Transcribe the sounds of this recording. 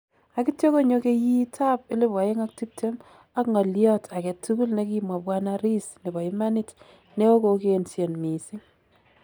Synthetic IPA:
a˨ki˦tjo˦ko˦ɲo˦ke˦ji˦tʰa˦pɪ˦le˦ba˨e˦ŋa˦k̚ti˦p̚tʰe˦m | a˦kŋɔ˨ljɔ˦tʰa˨kɛ˨tu˦ku˦lne˦ki˦mwa˨pwa˦na˦ɾi˦sne˨bɔ˨i˦ma˦ni˦t | ne˦o˦ko˨keː˦nsje˨nmi˨sɪ˦ŋ

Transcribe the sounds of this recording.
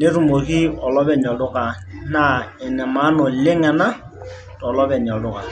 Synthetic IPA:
ne˦ɾu˨mo˨hi˦ɔ˨lɔ˦bɛ˨ɲɔ˨dʊ˦ka˨ | na˦˨ɛ˨nɛ˨ma˨˦nɔ˨le˦ŋɛ˨na˦ | tɔ˨lɔ˦βɛ˨ɲ˨ɔ˨lʊ˦ka˨

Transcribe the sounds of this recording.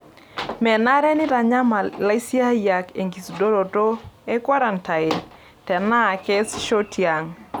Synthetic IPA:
mɛ˨na˦ɾɛ˦nɪ˦ɾa˨ɲa˦ma˨la˦i˦si˦a˦ja˨ke˨ŋɡi˨sdo˦ɾo˨to˦e˦kwa˦ɾa˨nta˨e˨ | tɛ˨na˦˨kɛ˦sʃo˦tja˨ŋ

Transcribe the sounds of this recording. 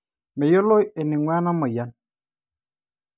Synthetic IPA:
me˨jo˦lo˦e˨ni˨ŋwa˦na˦mɔ˨ja˨˦n

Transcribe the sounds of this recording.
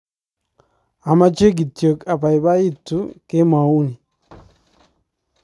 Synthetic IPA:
a˨ma˦t͡ʃe˦ɡ̬i˨tjo˨ka˨pa˨i˨ba˦i˦tːu˦ke˦ma˨u˦ni˨

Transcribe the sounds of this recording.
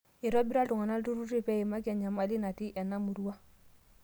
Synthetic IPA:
i˨ɾɔ˦bi˦ɾa˦ltu˨ŋa˨na˦ltu˦ɾu˦ti˦pɛ˦i˨ma˦kɛ˨ɲa˨ma˨li˦na˨ti˦ʔɛ˨nːa˦mu˨ɾu˦a˦

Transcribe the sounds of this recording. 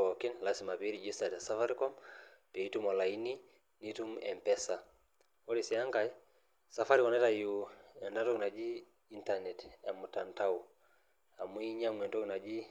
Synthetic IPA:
ɔ˨ki˦nlasi˨ma˨pe˦ɾi˨d͡ʒi˦sa˨ta˨sa˦fa˦ɾi˦kɔ˦mpɛ˨i˦tu˦mɔ˨la˨i˦ni˦ | ni˦tu˦mɛ̰˨mpɛ˦sa˨ | o˦ɾi˨si˨a˦ŋɡa˨i | sa˨fa˦ɾikɔ˨nɛ˦ta˨juɛ˨nda˦tɔ˦kna˨d͡ʒi˦ | i˦ntanɛ˨tɛ˨mu˨ta˨nta˦u˨ | a˨mu˦i˦ɲa˦mɛ˨ntɔ˦kna˨d͡ʒi˦

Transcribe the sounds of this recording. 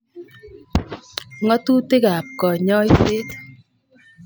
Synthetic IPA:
ŋɔ˦t̪u˦t̪e˦ɣa˨p̚kɔ˨ɲɔ˦jfe˦t̪

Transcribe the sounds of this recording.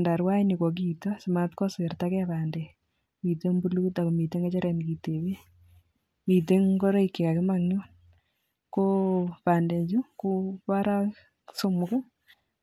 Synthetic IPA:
nda˨ɾwa˦jnɪ˨kɔ˨k̬itɔ˦sɪ˨ma˨t̚kɔ˦se˨rtakɛ˦pa˨ndɛ˨ | mi˨te˦ŋbulu˦ta˨ko˨mi˨te˦ŋa˦t͡ʃɔ˦ɾɛ˨nki˨te˨we˦ | mi˨te˦ŋɡɔ˦ɾɔ˦i˨kːe˨ka˨kɪ˦ma˨ŋɲu˦n | ko˦pa˨nde˨ɲd͡ʒu˦ko˦pa˦ɾa˦ | so˦mʊkɛ˦

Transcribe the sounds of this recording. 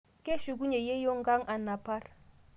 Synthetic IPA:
kʼe˦ʃu˨k̬u˦ɲe˨je˦jo˦ŋ̩˦ɡa˦ŋ˦ʔa˨na˨pa˦r

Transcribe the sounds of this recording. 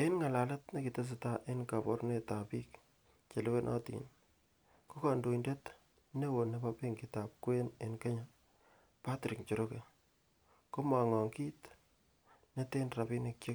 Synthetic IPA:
e˦nŋa˨la˨lɐ˦tne˦ki˨te˦s̬ɪ˨ta˦ʔe˦nka˨pɔ˨ɾne˦ta˨pi˦k | t͡ʃe˨le˦we˦nʔɔ̰˦tḭn | ko˦ka˨ndo˨inde˦t | ne˦wo˨ne˦pa˦pe˦ŋkita˨p̚kwe˦ne˨nke˦ɲa˨ | pa˦tɾi˨kt͡ʃo˨ɾo˦ke˨ | ko˦ma˨ŋɔ˨ŋki˦t | ne˦te˦nɾa˨pi˦ne˨kje˦

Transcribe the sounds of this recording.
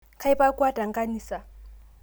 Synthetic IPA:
kʰa˦i˦pa˦kʼwa˦da˨ŋ˦kʼa˦niː˨sa˨

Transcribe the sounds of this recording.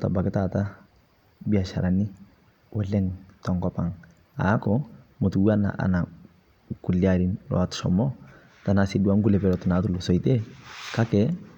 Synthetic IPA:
ta̰˨ba˨kɪ˦tata˦ | bi˨a˨ʃa̰˨ɾanɪ˦ | wɔ˦lɛ˦ŋtɔŋkɔpa˨ŋ | a̰˦kɔmo˨tuwana̰ʔa̰˨na˨ | ku˨liaɾi˦nlɔ̰˨atsɔ̰mɔ˦ | ta˨na˨sidu˦a˦ŋɡu˦lɛ˨pɛɾɔtɪnatulusɔ˨ite˦ka˦kɛ

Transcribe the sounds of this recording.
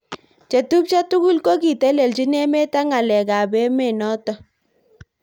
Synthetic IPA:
t͡ʃe˨tu˦p̚t͡ʃa˦tu˦ku˦lko˦ki˨tɛ˦le˨lt͡ʃi˦ne˦me˦ta˦ŋa˨lɛ˨ka˨be˦me˦˨nɔ˦tɔ˦

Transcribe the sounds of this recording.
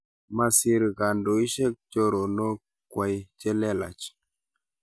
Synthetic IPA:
ma˨si˨ɾɡa˨ndo˨i˦ʃe˦k̚t͡ʃo˦ɾo˨no˦ | kwa˨jt͡ʃe˦le˦la̰˨t͡ʃ

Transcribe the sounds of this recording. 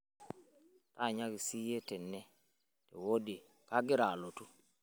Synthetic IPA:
ta˦˨ɲa˦ki˨si˦je˦tɛ˨nːɛ˦ | te˨wo˦de˨ | ka˦ɡɪ˦ɾa˨lo˨tu˦

